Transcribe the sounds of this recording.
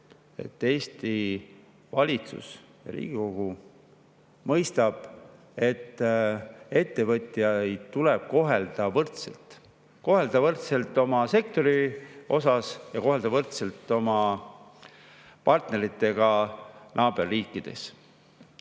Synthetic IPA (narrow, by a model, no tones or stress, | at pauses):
e̞̰t̪ːe̞ːst̪i | vɑlʲit̪sṵs | jɑ̰lḭːɡ̥iko̞ɡ̥u | mɤjst̪ɑb̥ | e̞t̪ː | e̞t̪ːe̞vɤt̪ʲˑjɑjt̪uleb̥̚ko̞ɦe̞ld̪̥ɑvɤrt̪selt̪ | ko̞ɦe̞ld̪̥ɑvɤrt̪se̞lt̪ːˑo̞mɑse̞k̚t̪o̞ɾio̞sɑsjɑko̞ɦe̞ld̪̥ɑvɤrt̪se̞lt̪ːˑo̞mɑ | pɑrt̪ne̞ɾit̪ːˑe̞ɡ̥ɑnʔɑːb̥e̞rːiːkːˑid̪̥e̞̰s